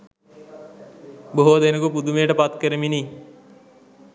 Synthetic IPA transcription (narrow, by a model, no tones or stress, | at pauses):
boɦod̪enukupud̪umeːʈəpat̪kəɾeminiː